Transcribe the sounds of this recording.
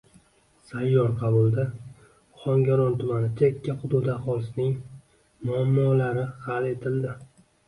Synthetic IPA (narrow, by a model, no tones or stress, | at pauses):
sajːɒɾqʰɑbʊlˠd̪a | χɒŋɡʲaɾɒnt̪ʰʊmanɪt͡ʃʰaɪkʲʰːaχʊd̪ʊd̪aχɒlˠɪsnɪŋ | mʊamːɒlaɾɪhale̞t̪ʰɪld̪ɪ